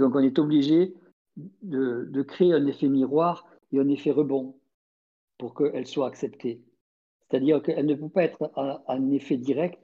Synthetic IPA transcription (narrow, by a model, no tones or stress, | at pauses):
d̪ɔ̃kɔ̃nɛt̪ɔbliʒe | d̪əd̪əkχeeɛ̃nefɛmiʁwaʁ | eɛ̃nefɛʁəbɔ̃ | puʁkəʔɛlswaːksɛpt̪ʰe | se̥t̪ad̪iʁkəɛlnəpøpaɛt̪χɛ̃ɛ̃nefɛd̪iʁɛk̚t̪